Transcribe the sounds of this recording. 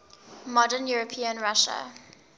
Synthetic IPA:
mɔdənjuɹəpʰiə̃nɹaʃə̰

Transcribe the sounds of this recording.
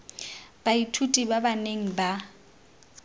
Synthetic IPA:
b̥aitʰutʼibabaneŋ̩ba

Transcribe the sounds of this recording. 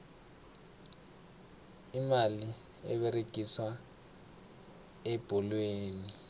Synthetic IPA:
imali | ɛ̰ɓeɾeɡ̥ʱiswa | ɛb̥ʱɔlweːni

